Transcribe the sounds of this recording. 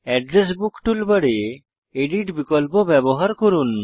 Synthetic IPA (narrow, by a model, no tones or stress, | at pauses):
ɛɖɾes̬bukʈulbəɽe | eɖiʈbikɔlpɔbɛbɔɦaɾkɔɾun